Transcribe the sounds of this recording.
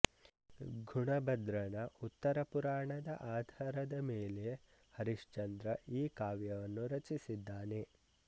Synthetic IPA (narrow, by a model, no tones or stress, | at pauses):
ɡʱuɳɐbɐd̪ɾɐnɐʔut̪ːɐɾɐpuɾaːɳɐd̪ɐʔaːd̪ʱaːɾɐd̪ɐmeːle | hɐɾiʃt͡ʃɐnd̪ɾɐʔiːkaːʋjɐʋɐnːuɾɐt͡ʃisid̪ːaːne̞